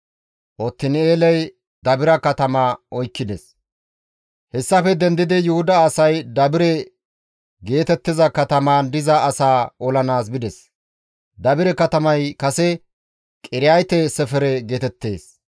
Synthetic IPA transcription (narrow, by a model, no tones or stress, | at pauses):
ʔɔt̪ːɪneːlɛj | d̪ɐbɪɾɐkɐt̪ɐmaʔɔjkːɪd̪ɛs | hɛsːɐfɛd̪ɛnd̪ɪd̪ɪjʊhʊd̪ɐːsɐjd̪ɐbɪɾɛ | ɡe̞ːt̪ɛt̪ːɪzɐkɐt̪ɐmaːnd̪ɪzɐːsaːɔlɐnaːsbɪd̪ɛs | d̪ɐbɪɾɛkɐt̪ɐmɐjkɐsɛ | kʼɪɾɪjajt̪ɛsɛfɛɾɛɡe̞ːt̪ɛt̪ːe̞̰ːs